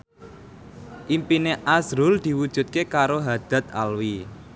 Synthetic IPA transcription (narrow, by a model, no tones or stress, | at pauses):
ʔimpineʔasɾʊld̪̥i̤wud̥ʒ̥ṳt̪̚kekaɾoɦad̪̥ä̤t̪̚a̰lwi